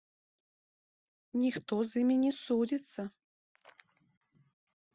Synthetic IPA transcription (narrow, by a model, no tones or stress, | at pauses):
nʲixt̪ɔzimʲinʲɛsud͡zʲit̪sːɐ